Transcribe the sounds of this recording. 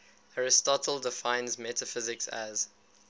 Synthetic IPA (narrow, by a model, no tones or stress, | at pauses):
haɹɪstɔtʰˡəl̩ˠdɪfãɪ̃nzmɛtəfɪzɪksæ̰z̥